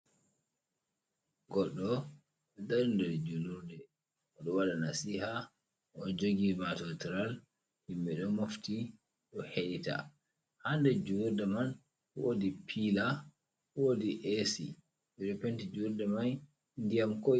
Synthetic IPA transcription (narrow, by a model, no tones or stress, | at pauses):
ɡɔɗːɔ | ɛdaɾindɔdɛd͡ʒuluɾdɛ | ɔɗɔwalanasiha | ʔɔd͡ʒoɡimatɔtiɾal | himbɛɗɔmofti | ɗɔheita̰ | handɛd͡ʒuɾdɛman | wo̰dipʰila | wodiʔesḭ | ɓɛɗɔpɛntid͡ʒuɾdɛman | ndijamko